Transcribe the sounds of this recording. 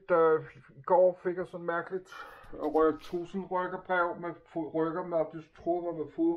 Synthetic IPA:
d̥æɡ̥ɒ̰ːfe̝ɡ̥ɐsɒ̽nmæɐɡ̥əlid̥ɒʁœ̥t͡sʰʁṵːsn̩ʁœɡ̥ɐb̥ʁɛʊ̰mefʁœɡ̥ɐmeɒb̥d̥ist͡sʰʁoʋɑʋæfo

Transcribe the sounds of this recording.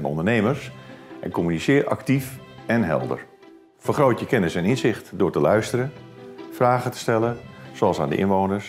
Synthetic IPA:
ɛnɔ̰ndərnejməɹsʔɛ̰nkɔmynisɪːrʔa̰ktifɛnɦɛ̰lˠdə̰r | fərχroːtjəkɛnəsɛnɪnzɪχtdʊːɹtəlœɥstəɾəfraːχətə̥stɛləsoɑlˠsaːndə̰ʔɪ̰nʋoːnəs

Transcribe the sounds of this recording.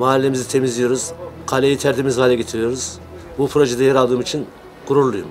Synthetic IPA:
maːlʲːemizit̪ʰe̞mizʲijoɾuz̥qʰalʲejit̪ʰæɾt̪ʰimizhaːlʲeɡʲet̪ʰiɾijo̞ɾuz | bupʰɾo̞ʒed̪ɛjaɾalˠd̪ɯːmit͡ʃʰin | ɡ̥uɾuɾlˠujṵm

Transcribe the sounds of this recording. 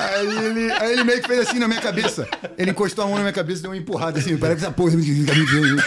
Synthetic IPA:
aielɪaelɪmejʊkɪfejzasĩnɐmĩɲɐkabesɐelɪĩkoʃt̪oaɐmɐ̃ɐmĩɐkabesɐd̪ewũmɐẽmpuɦad̪ɐsĩmewpaɾɛsksapohɐem̃ikamĩɡvẽĩ

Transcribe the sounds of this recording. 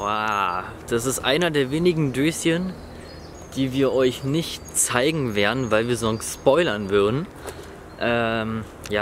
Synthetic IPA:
aːd̥as̬ɪstʔa̰ɪnɐdeːɐveːnɪɡŋ̩døːsjən | d̥iːviːɐʔɔʏçnɪçt | t͡saɪɡŋ̩veːɐdn̩vaɪlviːɐzɔnstspɔʏlɐnvʏɐdn̩ | ʔɛːm | jaː

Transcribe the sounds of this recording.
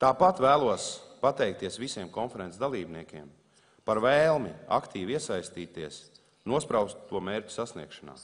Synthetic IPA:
t̪aːpat̪væːlˠuɔspat̪ɛjk̚t̪iɛsʋisiɛmkɔnfɛɾɛnd̪alˠiːbniɛkʲiɛm | paɾvɛːlˠmia̰kt̪iːʋiɛsajst̪iːt̪iɛs | nuɔspɾawst̪ːuɔmeːɾʲcu̥sasnḭɛkʃana̰ː

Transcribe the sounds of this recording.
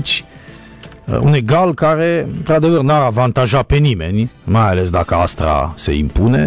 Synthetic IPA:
t͡ʃʲ | ṵneɡalkaɾeɨnt̪ɾad̪evərnaɾavant̪aʒapenimḛnʲmajales̬d̪akəa̰st̪ɾa̰sḛimpunḛ

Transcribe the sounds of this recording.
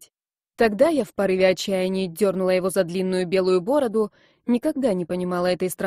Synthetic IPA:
t̪ɐɡd̪ajafpɐɾɨvʲɪɐt͡ɕːæjɪnʲɪːdʲo̞rnʊlˠəjɪvo̞zɐd̪lʲinːʊjʊbʲe̞lˠʊjʊbo̞ɾəd̪ʊ | nʲɪkɐɡ̚d̪anʲɪpənʲɪmɑlˠəɛt̪əjst̪ɾɐ

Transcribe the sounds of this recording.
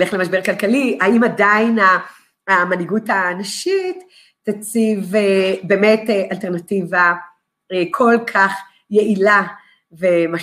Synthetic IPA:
leχlemaʃbekalkaliaimadaina | maniɡutanaʃitː | at͡sivebemeteʔalteʁnativa | ekʰolkʰaχ | jeʔila | vema

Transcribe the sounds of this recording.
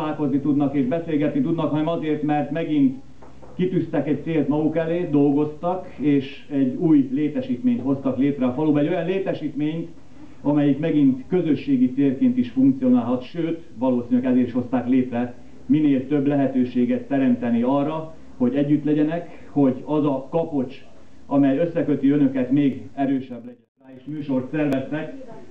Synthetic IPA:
aːlko̞znit̪ud̪nɒkeːʒbɛseːlɡɛt̪nit̪ud̪nɒkhɒnɛmɒzeːrt̪mɛrt̪mɛɡint̪ | kit̪yst̪ɛkɛc̚t̪seːlt̪mɒɡukɛleːd̪o̞lɡo̞st̪ɒkeːʃ | ɛɟːuːjleːt̪ɛʃiːt̪meːɲt̪ho̞st̪ɒkleːt̪rɛɒfɒluːbɛɟo̞jɒnleːt̪ɛʃiːt̪meːɲt̪ | ɒmɛjikmɛɡint̪kø̞zø̞ʃːeːɡit̪seːlkeːnt̪iʃfuŋk̚t̪sijo̞naːlɦɒt̪ʃøːt̪ | ʋɒloːsinylɛɡɛzeːɾiʃho̞st̪aːkleːt̪rɛ | mineːlt̪ø̞blɛɦɛt̪øːʃeːɡɛt̪ːɛɾɛmt̪ɛniɒrːɒ | ho̞ɟɛɟːyt̪lɛɟɛnɛk | ho̞ɟɒzɒkɒpo̞t͡ʃ | ʔɒmɛjø̞sːɛkøt̪iønøkɛt̪meːɡɛɾøːʃɛblɛɟɛnsaːeːʃmyːʃo̞rt̪sɛrvɛst̪ɛk

